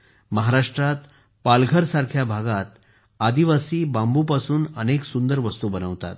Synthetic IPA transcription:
məɦaɾaʂʈɾat̪ | palɡʱəɾsaɾkʰjabʱaɡat̪ | ad̪iʋasiːbãmbupasuːnəneksund̪əɾʋəst̪ubənəʋt̪a̰t̪̚

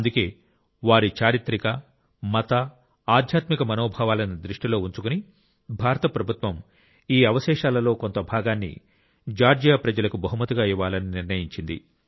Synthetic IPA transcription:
ɐnd̪uke̞ː | ʋaːɾit͡ʃaːɾit̪ɾikɐ | mɐt̪ɐː | d̪ʱjaːt̪mikɐmɐnoːbʱaːʋaːlɐnid̪ɾiʂʈilo̞ːuɲt͡ʃukuni | bʱaːɾɐt̪ɐpɾɐbʱut̪ʋɐm | iːɐʋɐʃɛːʃaːlɐlo̞ːko̞nt̪ɐbʱaːɡaːnːḭ | d͡ʒaːɾd͡ʒjaːpɾɐd͡ʒɐlɐkubɐɦumɐt̪uɡaːiʋaːlɐniniɾnɐjiɲt͡ʃind̪ḭ

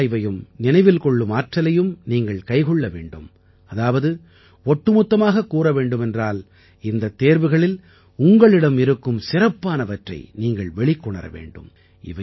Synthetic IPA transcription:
ʋɐjɯmnɪnɐɪʋɪlkɔɭːɯmaːʈrɐlɐjɯmniːŋɡɐɭkɐɪɣɔɭːɐʋḛːɳɖɯ̰m | ɐðaːʋɐðɯ | ɔʈːɯmʊt̪ːɐmaːɣɐkːuːɾɐʋeːɳɖɯmɛndraːl | ɪnd̪ɐt̪ːeːɾʋɯɣɐɭɪl | ʊŋɡɐɭɪɽɐmɪɾɯkːɯmsɪrɐpːaːnɐʋɐʈrɐ̰ɪniːŋɡɐɭʋɛɭɪkːɔɳɐ̰ɾɐ̰ʋḛːɳɖɯ̰m | ɪ̰ʋɐ

